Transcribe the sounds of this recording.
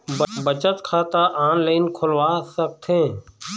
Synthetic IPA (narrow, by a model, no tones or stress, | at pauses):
bbət͡ʃət̪kʰaːt̪aʔaːnleɪnkʰʊlwaːsək̚t̪ʰẽː